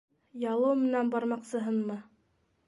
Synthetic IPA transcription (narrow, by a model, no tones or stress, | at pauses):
jɑlˠɤwmɘ̆nænbɑɾmɑqsɤ̆ɦɤnmɤ